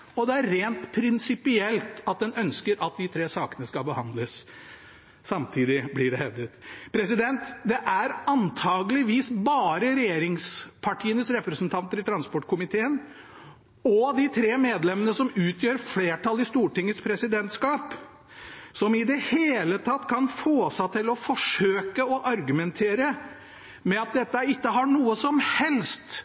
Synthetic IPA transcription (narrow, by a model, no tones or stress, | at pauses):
ɔd̪ɛæɾːeːnt̪pʰɾɪnsɪpɪɛlt̪ɑt̪̚d̪ɛnœnskəɾʔɑt̪̚d̪ɪt̪ʰɾeːsɑːkənəskɑbəhɑnd̪ləs | sɑmt̪ʰiːd̪ɪblɪɖɛhɛvd̪ət̪pʰɾɛsɪd̪ɛnt̪d̪ɛʔæɾɑnt̪ʰɑːɡlɪʋiːsbɑːɾəɾɛjeːɾɪŋspʰɑʈʰiːənəsɾɛpɾɛsnt̪ʰɑnt̪əɾɪt̪ʰɾɑnspɔʈkʰʊmɪt̪ʰeːən | ɔd̪ɪt̪ʰɾeːmeːd̪lɛmːənəsɔmʉːt̪jøːɾfleːʈɑlɪst̪uːʈɪŋːəspʰɾɛsɪd̪ɛnt̪skɑːp | sɔmɪd̪ɛheːlət̪ʰɑt̪ːkʰɑnfoːsæt̪ʰɪlɔfɔʂøːkəɔʔɑɾɡʉmɛnt̪ʰeːɾə | mɛɑt̪̚d̪ɛt̪ːəæɾɪkːəɦɑɳuːəsɔmhɛlst̪